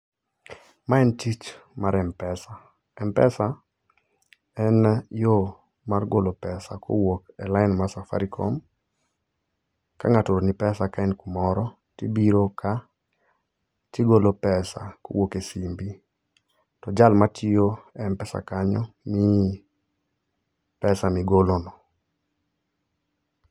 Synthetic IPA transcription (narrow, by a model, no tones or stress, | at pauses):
maɛntit͡ʃ | maɾɛmpɛsa | ɛmpɛsa | ɛnjo | marɡolopɛsakʰo̰wokɛlaɪnmasafa̰ɾikʰɔm | ka̰ŋatoɾonipɛsakaɛnkumɔɾɔ | tibiɾokʰa | tiɡolopɛsa̰ko̰wokesimbi | tɔd͡ʒalmatioɛmpɛsa̰kaɲɔmi | pɛsamiɡolonɔ